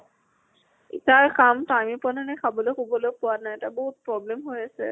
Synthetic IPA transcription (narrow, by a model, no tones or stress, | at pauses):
ḭtaɹkamtajmipɔnanɛkʰabolokʰubɔlopuwanajɛtaboɦut̪̚pɹɔblemɦojasɛ̰